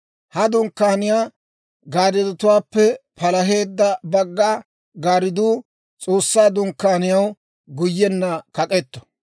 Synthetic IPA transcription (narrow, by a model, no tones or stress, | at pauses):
hɐd̪ʊŋkːaːnɪjaː | ɡaːɾɪd̪ʊt̪ʊwaːpːɛpɐlɐɦe̞ːd̪ːɐbɐɡːaː | ɡaːɾɪd̪uː | t͡sʼo̞ːsːaːd̪ʊŋkːaːnɪjɐw | ɡʊjːɛnːɐkɐkʼɛt̪ːɔ̥